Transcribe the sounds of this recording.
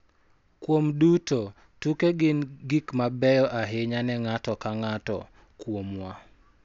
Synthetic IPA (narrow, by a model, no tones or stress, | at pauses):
kwomduto | tukeɡɪnɡikmabɛjɔʔaɦeɲanɛŋatɔkaŋatɔ̰ | kwomwa